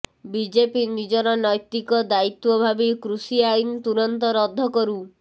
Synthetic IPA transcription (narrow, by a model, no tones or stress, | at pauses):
bid͡ʒepinid͡ʒɔɾɔnɔjt̪ikɔd̪ait̪wɔbʱabikɾusiajnt̪uɾɔnt̪ɔɾɔd̪ʱːɔkɔɾu